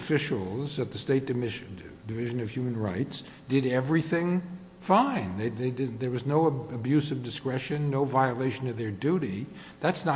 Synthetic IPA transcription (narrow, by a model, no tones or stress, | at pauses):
fɪʃl̩ˠzɨt̪̚ðɨsteɪt̚d̥ɨmdɨvɪʒɨ̃nʌv̥hjʉmɨ̃n̩ɹaɪts | d̥ɨɾɛvɹiθɪ̃ŋ | fãɪ̃nðeɪðeɪdðə˞wʌznoʊɨbjʉsʌvdɨskɹɛʃɨ̃nːoʊvaɪəleɪʃɨ̃nʌvðə˞dʉɾi | ðætsnə